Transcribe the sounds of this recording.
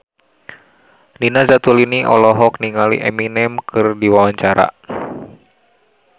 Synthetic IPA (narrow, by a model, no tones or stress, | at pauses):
ninazat̪uliniʔɔ̰lɔɦɔkniŋalḭʔɛminɛmkʰɨrdiwawaɲt͡ʃaɾa̰